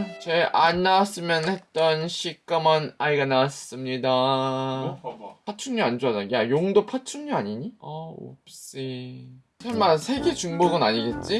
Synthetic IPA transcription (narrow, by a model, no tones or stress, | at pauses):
t͡ɕeʔanːawas͈ɯmjʌnhe̞t̚t͈ʌnɕʰik͈ʌmʌnaɭɡanawas͈ɯmɲida | pʰat͡ɕʰuŋɲuand͡ʑoadajajoŋdopʰat͡ɕʰuŋɲuaɲiɲiʌo̰pɕ͈i | t͡ɕʰaɭmansʰe̞ɡe̞t͡ɕuŋboɡɯnaɲiɡe̞t̚t͡ɕ͈i